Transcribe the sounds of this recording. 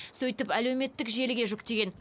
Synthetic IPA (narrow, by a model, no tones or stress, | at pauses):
sɵjt̪ɪpælewme̞t̪ːɪkʒe̞lɪɡʲe̞ʒʊkt̪e̞ɡʲe̞n